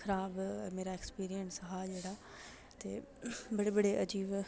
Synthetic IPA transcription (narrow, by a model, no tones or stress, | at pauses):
kʰəɾaːbmeːɾaːɪkspiːɾijənsɦaːd͡ʒeːɽaː | t̪ḛːbəɽeːbəɽeːʔəd͡ʒiːʋ